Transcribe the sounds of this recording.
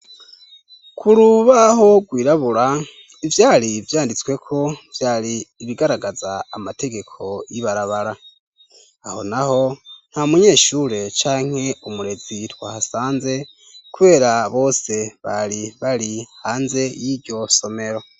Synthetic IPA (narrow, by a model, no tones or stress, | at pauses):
kʰuɾuβaɦo̞ɡwiːɾaβuɾa | ivjaːɾivjaːndit͡swe̞kʰo̞vjaːɾiːβiɡaɾaɡazaːmatʰe̞ɡe̞kʰo̞jiβaɾaβaɾa | aho̞naho̞n̥hamuɲe̞ːʃuɾe̞t͡ʃaːŋ̥he̞umuɾe̞z̥itwaːhasaːnze̞ | kuβe̞ːɾaβo̞ːse̞βa̰ɾiβaɾihaːnze̞jiɾɟo̞so̞me̞ɾo̞